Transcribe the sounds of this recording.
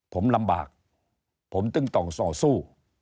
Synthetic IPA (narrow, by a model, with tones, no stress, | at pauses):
pʰo˩˦mla˧mba̰ː˨˩k̚ | pʰo˩˦mt̪ɯ˧˩ŋt̪ɔː˨˩ŋsɔː˨˩suː˥˩